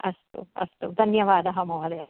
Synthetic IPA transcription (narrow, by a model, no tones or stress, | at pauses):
ɐst̪ṵɐ̰st̪ud̪ʱɐnjɐʋaːd̪ɐɦɐmoʋɐd̪e